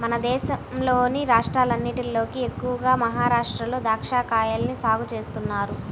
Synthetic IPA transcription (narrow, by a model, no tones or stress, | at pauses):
mɐnɐd̪ɛːʃɐmlo̞ːniɾaːʂʈɾaːlɐnːiʈilo̞ːkie̞kːuʋɐɡaːmɐɦaːɾaːʂʈɾɐlo̞ːd̪ʱaːkʂaːkaːjaːlɐnisaːɡut͡ʃe̞ːst̪unːaːɾu